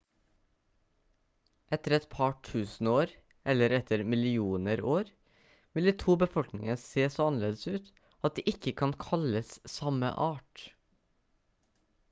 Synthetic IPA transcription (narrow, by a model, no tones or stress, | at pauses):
ʔɛt̪əɾɛt̪pʰɑʈʰʉːsn̩oːɾ | ʔɛləɾɛt̪ʰəɾmɪlɪuːnəɾoːɾ | ʋɪld̪iːt̪ʰuːbəfɔlknɪŋəseːsoːɑnəleːd̪əsʉːt̪ | ɑt̪̚d̪iːʔɪkəkʰɑnkʰɑləssɑmə̰ʔɑːʈ